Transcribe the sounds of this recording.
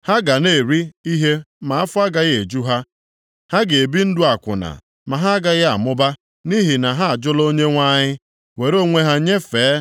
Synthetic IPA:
ha˦ɡa˨ne˦˨ɾi˦i˦ɦe˦ | ma˨a˦fʊ˦a˦ɡa˦ɣe˨d͡ʒu˦ɦa˦ | ha˦ɡe˨e˨bi˦n̩˦dʊ˦a˨kʷʊ̰˨na̰˨ | ma˨ɦa˦ɡa˦ɣa̰˨mʊ˦ba˦ | ni˦ɦi˨na˨ɦa˦a˨d͡ʒʊ˦lo˦ɲe˦ŋʷa˦ɲɪ˦ | we˨ɾo˦˨ŋʷe˦ɦa˦ɲe˦feː˨˦

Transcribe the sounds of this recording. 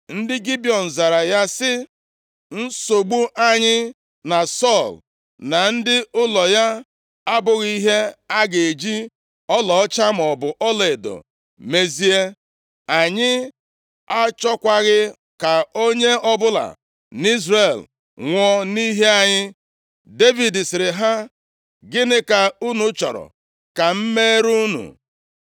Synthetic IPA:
n̩˦dɪ˦ɡi˦bi˨ɔ˨n̩˨za˨ɾa˨ja˦sɪ˦ | n̩˦so˨ɡ͡bu˦ʔa˦ɲɪ˦ | na˨sɔ˦˨l | na˨n̩˦dɪ˦ʔʊ˦lɔ˨ja˦ | a˦bʊ˨ɣi˦ɦe˦a˦ɡe˨e˨d͡ʒi˦ | ɔ˦lɔ˨ɔ˦t͡ʃa˦m̩˨ɔ˨bʊ˨ʔɔ˦le˨do̰˨ | me˨zi˨e˦ | a˨ɲɪ˦ | a˦t͡ʃɔ˦kʷa˦ɣɪ˦ | ka˨o˦ɲe˦ɔ˦bʊ˦la̰˨ | ni˦zre˨l | ŋʷɔ˦ni˦ɦe˦a˨ɲɪ˦ | de˦vi˨dɪ˨sɪ˨ɾɪ˨ɦa˦ | ɡɪ˦nɪ˦ka˨u˦nu˨˦t͡ʃɔ̰˨ɾɔ̰˨ | ka˨m̩˦me˦ɾu˦nṵ˨

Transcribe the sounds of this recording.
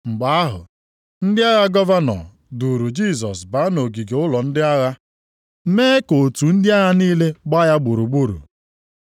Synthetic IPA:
ŋ͡m̩˨ɡ͡ba˨a˦ɦʊ̰˨ | n̩˦dɪ˦a˦ɣa˦ɡɔ˦va˦nɔ̰˨ | du˨ɾu˨d͡ʒi˦˨s̬ɔ˨sba˦no˨ɡi˨ɡe˨ʊ˦lɔ˨n̩˦dɪ˦a˦ɣa˦ | meː˦ko˨tu˨n̩˦dɪ˦a˦ɣa˦niː˦le˦ɡ͡ba˦ja˦ɡ͡bu˨ɾu˨ɡ͡bu˦ɾṵ˨

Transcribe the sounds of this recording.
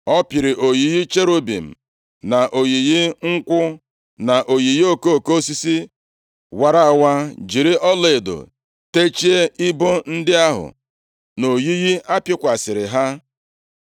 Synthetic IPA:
ɔ˦pɪ˨ɾɪ˨ʔo˨ji˨ɣi˦t͡ʃe˦ɾo˦bḭ˨m̩˨ | na˨ʔo˨ji˨ɣi˦ŋ̩˦kʷʊ˦ | na˨ʔo˨ji˨ji˦o˦ko˦o˨ko˦si˦si˦ | wa˨ɾa˦a˨wa˦d͡ʒi˨ɾi˦ʔɔ˦le˨e˨do̰˨ | te˦t͡ʃi˦e˦i˦bo˦n̩˦dɪ˦a˦ɦʊ̰˨ | no˨ji˦ɣi˦ʔa˦pɪ˦kʷa˨sɪ˨ɾɪ˨ɦa˦

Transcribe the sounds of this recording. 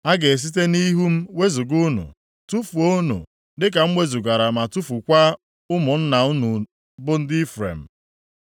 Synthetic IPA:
a˦ɡe˨s̬i˦t̬e˦ni˦ɦu˦m̩˦we˦zu˨ɡʊ˦nṵ˨ | tu˦fu˨o˦nṵ˨ | dɪ˦k̬a˨m̩˦mʷe˦zu˨ɡa˨ɾa˨ma˨tu˦fu˨kʷa˦ | ʊ˦mʊ˨n̩˦na˨ʊ˦nu˨ | bʊ˦n̩˦dɪ˦fɾḛ˨m̩˨

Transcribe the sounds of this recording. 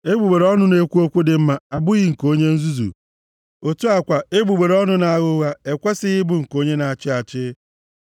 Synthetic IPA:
e˦ɡ͡bu˨ɡ͡be˨ɾɔ˦nʊ˨ne˦kʷu˦o˦kʷu˦dɪ˨m̩˦ma˨a˨bʊ˦ɣɪ˨ŋ̩˨ko˦ɲe˦n̩˦zu˦zṵ˨ | o˨tu˦a˨kʷa˨e˦ɡ͡bu˨ɡ͡be˨ɾɔ˦nʊ˨na˨a˨ɣʊ˦ɣa˦e˨kʷa˦sɪ˦ɣɪ˦bʊ˨ŋ̩˨ko˦ɲe˦na˨a˨t͡ʃɪ˦a˨t͡ʃɪ˦

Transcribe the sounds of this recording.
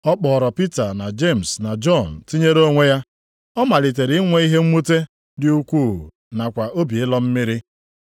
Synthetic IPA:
ɔ˦k͡pɔː˨ɾɔ˨pi˦ta˨na˨d͡ʒe˦˨m̩˨sna˨d͡ʒɔ˦˨n̩˨ti˦ɲe˦ɾo˦ŋʷe˦ja˦ | ɔ˦ma˨li˨t̬e˨ɾi˨˦ŋʷe˦i˦ɦe˦ŋ͡m̩˦mu˦te˦ | dɪ˦u˦kʷuː˦˨ | na˨kʷa˨ʔo˦bi˨ɪ˦lɔ˦m̩˦mɪ˦ɾɪ˦

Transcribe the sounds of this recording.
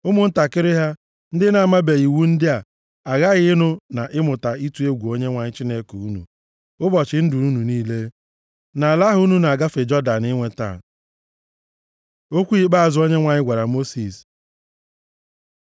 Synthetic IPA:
ʊ˦mʊ˦n̩˦ta˨kɪ˦ɾɪ˦ɦa˦ | n̩˦dɪ˦na˨a˨ma˦be˨i˨wu˦n̩˦dɪ˦a˨ | a˨ɣa˦ɣɪ˦ɪ˦nʊ˦na˨ʔɪ˦mʊ˨ta˨i˦tu˨˦e˦ɡʷu˨o˦ɲe˦ŋʷa˨ɲɪ˦t͡ʃi˦ne˦ko˨u˦nṵ˨ | ʊ˦bɔ˨t͡ʃɪ˨n̩˦du˨u˦nu˨niː˦le˦ | na˨la˦ɦʊ˦u˦nu˦na˨a˨ɡa˦fe˨d͡ʒɔ˦da˨nɪ˦ŋʷe˦ta̰˨ | o˦kʷu˦i˦k͡pa˦a˨zʊ˦o˦ɲe˦ŋʷa˨ɲɪ˦ɡʷa˨ɾa˨mo˦si˨s

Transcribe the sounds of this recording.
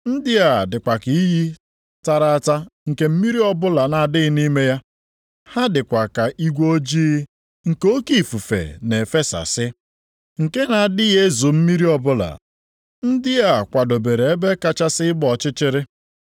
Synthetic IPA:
n̩˦dɪ˦a˨dɪ˨kʷa˨ki˨i˦ji˦ | ta˨ɾa˦ta˦ŋ̩˨ke˦m̩˦mi˦ɾi˦ɔ˦bʊ˦la˨na˨dɪ˦ɣɪ˦ni˦me˦ja˦ | ha˦dɪ˨kʷa˨ka˨ʔi˦ɡʷo˦d͡ʒiː˦ | ŋ̩˨ko˦ki˨fu˨fḛ˨ne˨fe˦sa̰˨sɪ˦ | ŋ̩˨ke˦na˨dɪ˦ɣe˦zo˨m̩˦mi˦ɾi˦ɔ˨bʊ˦la̰˨ | n̩˦dɪ˦ja˦˨kʷa˨do˨be˨ɾe˨e˦be˦ka˦t͡ʃa˦sɪ˦ɪ˦ɡ͡bɔ˨t͡ʃɪ˦t͡ʃɪ˦ɾɪ˦

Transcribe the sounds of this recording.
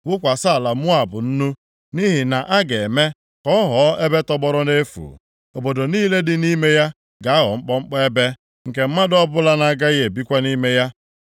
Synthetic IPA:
wʊ˦kʷa˨sa˦a˨la˨mʊ˦a˨bʊ˨n̩˦nu˦ | ni˦ɦi˨na˨ʔa˦ɡe˨me˦ | kɔ˦ɦɔ˨˦e˦be˦tɔ˦ɡ͡bɔ˦ɾɔ˦ne˦fṵ˨ | o˨bo˨do˨niː˦le˦dɪ˨ni˦me˦ja˦ | ɡa˨˦a˦ɦɔ̰˨ŋ͡m̩˦k͡pɔ˦ŋ͡m̩˦k͡pe˦be˦ | ŋ̩˨ke˨m̩˦ma˦dɔ˦bʊ˦la˦na˦˨ɡa˦je˨bi˦kʷa˦ni˦me˦ja˦

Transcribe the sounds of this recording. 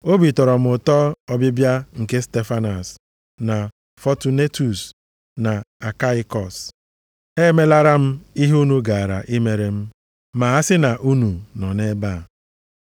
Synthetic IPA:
o˦bi˨tɔ˨ɾɔ˨m̩˦ʊ˨tɔ˦ɔ˦bɪ˦bja˦ŋ̩˨ke˦ste˦fa˦nɔ˨s | na˨ | fɔ˦tu˨ne˦tu˨s | na˨a˨ka˦ɪ˦kɔ˨s | e˦me˦la˦ɾa˦m̩˦i˦ɦu˦nu˦ɡa˨a˨ɾa̰˨ʔi˦me˨ɾe˨m̩˦ | ma˨˦a˦sɪ˦na˨ʔu˦nu˨nɔ˨ne˦ba˦˨

